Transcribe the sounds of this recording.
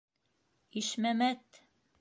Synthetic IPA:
iʃmæmæt̪

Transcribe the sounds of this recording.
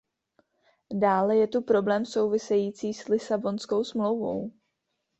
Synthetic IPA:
daːlɛjɛt̪upɾo̞blɛːmso̞wvɪsɛjiːt͡siːslɪsabo̞nsko̞wsmlo̞wvo̞̰w

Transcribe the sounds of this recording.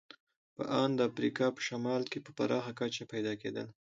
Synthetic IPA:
pə̰ʔɑnd̪əafɾikɑpə̥ʃamɑlkepəpa̰ɾɑxakat͡ʃapajd̪ɑkḛd̪ə̰l

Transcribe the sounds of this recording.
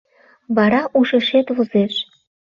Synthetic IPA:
βɑɾɑʔuʃə̆ʃet̪βozeʃ

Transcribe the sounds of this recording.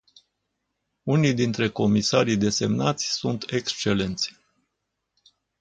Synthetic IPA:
unijd̪int̪ɾe̞ko̞misaɾijd̪e̞se̞mnat̪sʲsunt̪e̞kst͡ʃe̞le̞nt̪sʲ

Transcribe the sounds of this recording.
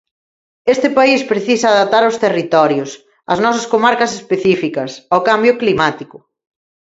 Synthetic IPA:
est̪ɪpaispɾeθisoaðap̚t̪aɾawst̪erit̪ɔɾjʊs | ɐ̰znɔsɐskomaɾkɐsespeθifikɐsawkambjʊklimat̪ikʊ

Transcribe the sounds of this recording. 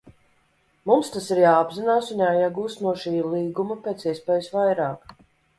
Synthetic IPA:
mumst̪asiɾjaːbzinaːsunjaːjaɡuːst̪nuɔʃiːlˠiːɡumɐpeːt̪siɛspɛːjusvajɾaːk

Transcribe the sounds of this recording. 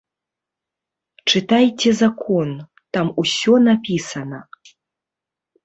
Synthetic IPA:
t͡ʂɨt̪ajt͡sʲɛzakʰɔn | t̪amusʲɔnapʲisɐnɐ

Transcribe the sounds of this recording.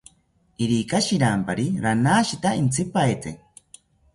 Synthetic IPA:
iɾikaʃiɾampaɾiɾanaːʃit̪aint͡sʰipaet͡se

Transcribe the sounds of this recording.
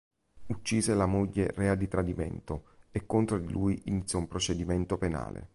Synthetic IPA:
ut͡ʃːiːzelamoʎːerɛːad̪it̪ɾad̪imḛnt̪oekːont̪ɾod̪ilʔuːjinit̪sːjɔumpɾot͡ʃed̪iment̪opena̰ːlḛ

